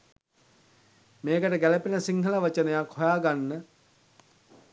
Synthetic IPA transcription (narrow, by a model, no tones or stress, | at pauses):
meːkəʈəɡæləpenəsiŋɦələʋat͡ʃənəjakhojaːɡanːə